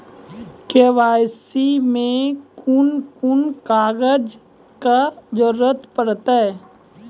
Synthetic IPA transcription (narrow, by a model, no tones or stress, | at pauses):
keːʋaːjsimẽkunkunkaːɡəd͡ʒ | kad͡ʒəɾət̪pəɾt̪ə